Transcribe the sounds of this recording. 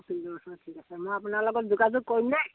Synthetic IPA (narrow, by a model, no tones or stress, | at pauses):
pʰildɔɔsʰɔnatʰikasɛmojapʊnaɹlɔɡɔt̚duɡazʊkoɹimnɛ